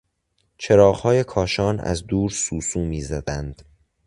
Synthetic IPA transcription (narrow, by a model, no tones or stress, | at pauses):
t͡ʃʰeɾɒːʁhɒːjekʰɒːʃɒːnæ̰zd̪uːɾsuːsuːmiːzæd̪ænd̪̥